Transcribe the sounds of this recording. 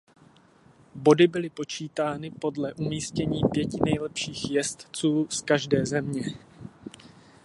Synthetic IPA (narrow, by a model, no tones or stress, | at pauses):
bo̞dɪbɪlɪpo̞t͡ʃiːt̪aːnɪpo̞dlɛʔumiːscɛɲiːpjɛcɪnɛjlɛpʃiːxjɛst̪t͡suːskaʒdɛːzɛmɲɛ